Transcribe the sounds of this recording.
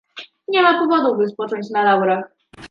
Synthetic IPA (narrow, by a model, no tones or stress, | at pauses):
ɲɛmapɔvɔd̪ubɘspɔt͡ʂɔɲt͡ɕnalawɾax